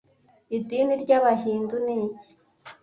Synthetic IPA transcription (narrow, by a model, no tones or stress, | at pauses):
idiːniɾɟaβaɦiːnduniɟi̥